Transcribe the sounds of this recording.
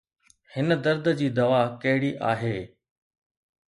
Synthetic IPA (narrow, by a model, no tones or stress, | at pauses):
hɪnə̆d̪ɐɾd̪əd͡ʑiːd̪ɐʋakɐɦɪɽiʔaːɦeː